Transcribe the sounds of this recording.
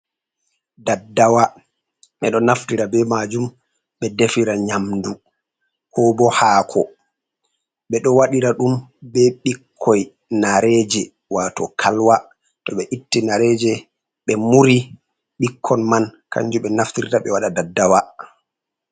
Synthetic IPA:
dadːawa | ʔɛɗɔnaftiɾabɛmad͡ʒum | ɓɛdefiɾaɲamdu | hɔbɔhaːkʰɔ | ɓɛɗɔwaɗiɾaɗumbɛɓikʰːɔj | naɾɛd͡ʒɛ | watɔkʰalwa | tɔɓɛʔitːinaɾɛd͡ʒɛ | ɓɛmuɾi | ɓikʰːɔnmanka̰ɲd͡ʒuɓɛnaftiɾɾaɓɛwaɗadadːawa

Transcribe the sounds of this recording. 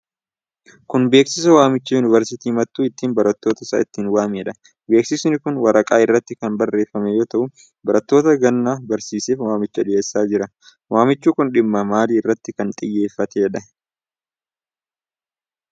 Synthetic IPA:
kʊnbe̞ːksɪs̬ɐwaːmɪt͡ʃːɐjʊnɪvɐɾsɪt̪iːmɐt̪ːuːɪt̪ːiːnbɐɾɐt̪ːo̞ːt̪ɐsa̰ːɪt̪ːiːnwaːmeːᶑɐ | be̞ːksɪsʊnɪkʊnwɐɾɐkʼaːɪrːɐt̪ːɪkɐnbɐrːe̞ːfːɐmɛjo̞ːt̪ɐʔʊ | bɐɾɐt̪ːo̞ːt̪ɐɡɐnːaːbɐɾsiːseːfwaːmɪt͡ʃːɐᶑɪeːsːaːd͡ʒɪɾɐ | waːmɪt͡ʃːuːkʊnᶑɪmːɐmaːliːɪrːɐt̪ːɪkɐnt̪ʼɪjːe̞ːfːɐt̪eᶑɐ

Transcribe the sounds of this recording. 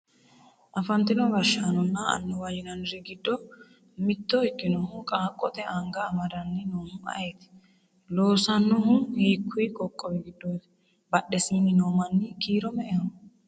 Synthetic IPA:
ʔɐfɐnt̪ːɪnɔɡɐʃːaːnɔnːɐɐ̰nːɛwajɪnɐnɪɾɪɡɪd̪ːɔ | mɪt̪ːɔɪkːɪnɔhʊkʼaːkʼːɔt̪ɛʔɐŋɡɐːmɐd̪ɐnːɪnoːhʊɐ̰jeːt̪ɪ̥ | loːsɐnːɔhʊhiːkʰːʊjkʼɔkʼːɔwɛɡɪd̪ːɔ | bɐɗɛsɪnːɪnoːmɐnːɪkiːɾɔmɛʔɛhɔ

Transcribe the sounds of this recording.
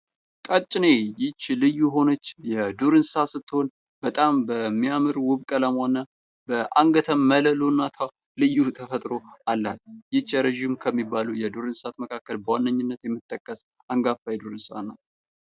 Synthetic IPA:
kʼət͡ʃʼːɪnejɪt͡ʃːlɨjuɦo̞nət͡ʃːjɛd̪uɾɨnsasɨt̪ːɨho̞n | b̥ət̪ʼambəmːijamɨɾwʊβkʼələmwanːa | bəʔaŋɡət̪ʰəmːələlonːat̪ʰaw | lɨjːut̪ʰəfət̪ʼɾo̞alːat̪̚jɪt͡ʃːɛɾeʒimkʰəmːibːalujɛd̪uɾɨnsat̪məkʰakːəlbəwanːəɲːɨnːət̪jɛmːɨt̪ʼːəkʼːəs | ʔaŋɡafajɛd̪uɾɨnsa̰na̰t̪

